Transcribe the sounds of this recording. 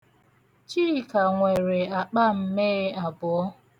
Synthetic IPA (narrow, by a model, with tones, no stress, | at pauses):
t͡ʃiː˦˨ka˨ŋʷe˨ɾe˨a˨k͡pa˦m̩˦me˦a˨bʊ˨ɔ˦